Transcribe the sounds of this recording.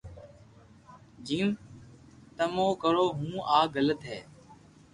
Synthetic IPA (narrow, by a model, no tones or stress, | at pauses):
d͡ʒiːm | t̪əmõːkəɾoːɦũːʔaːɡələt̪ɦɛ̰ː